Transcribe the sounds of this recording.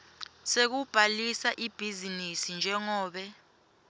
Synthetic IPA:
sek̬ub̥ʱalisaʔib̥ʱizinisind͡ʒʱɛŋɔːɓɛ

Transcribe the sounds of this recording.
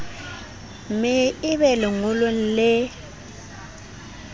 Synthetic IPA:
mɪɪβɛlɪŋʊlwen̩lɪ

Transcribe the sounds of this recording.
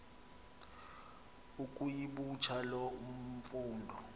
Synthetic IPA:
ukʼujiɓut͡ʃʰalɔum̩fuːndʱɔ

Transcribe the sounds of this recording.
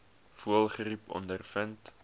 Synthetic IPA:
fuəlˠχəripɔ̰ndərfənt

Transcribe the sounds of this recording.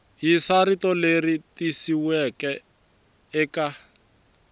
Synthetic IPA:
jisaɾitɔleritisiwɛkɛ | ɛka

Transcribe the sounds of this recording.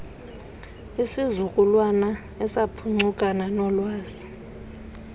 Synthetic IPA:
isizukʼulwana | ɛsapʰuŋ͡ǀukʼananɔlwaːzi

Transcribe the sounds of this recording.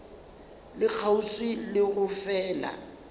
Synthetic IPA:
lɪk͡xʰauswɪlɪɣʊfɛːla̰

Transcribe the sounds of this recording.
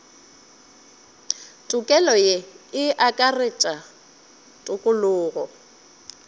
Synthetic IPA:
tʼʊkʼɛlɔjeɪʔakʼarɪt͡ʃʼa | tʼʊkʼʊlʊːɣɔ

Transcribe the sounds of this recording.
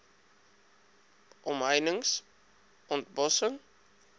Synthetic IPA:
ʔɔmɦəjnəŋs | ʔɔnt̚bɔsəŋ

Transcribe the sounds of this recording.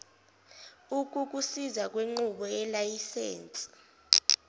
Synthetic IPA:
uk̬ʼuk̬usizak̬ʼweŋ͡ǃuɓɔɛlajisḛːnt͡sʼi̥

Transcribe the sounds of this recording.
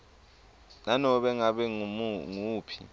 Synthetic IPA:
nanɔɓɛŋaɓɛumŋuːpʰi̥̰

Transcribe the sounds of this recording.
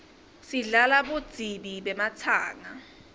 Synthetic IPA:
siɮalaɓud̥d͡z̥ʱiɓiɓɛmat͡sʰaːŋa

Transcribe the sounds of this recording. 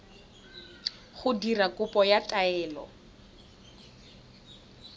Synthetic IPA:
χʊdirakʼʊpʼɔjatʼaɛːlɔ̰

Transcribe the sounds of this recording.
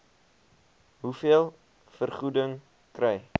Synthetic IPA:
ɦufiəlˠ | fərχudəŋ | krɛj

